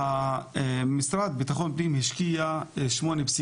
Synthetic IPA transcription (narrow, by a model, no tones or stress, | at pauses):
a | misɾad̪̚bit̪axonpnimhiʃkijaʃmonebsi